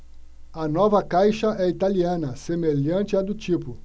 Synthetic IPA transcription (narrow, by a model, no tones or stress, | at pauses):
ɐnɔvɐkajʃɐʔɛit̪aliɐ̃nɐsemeʎɐ̃nt͡ʃɪɐd̪ʊt͡ʃipʊ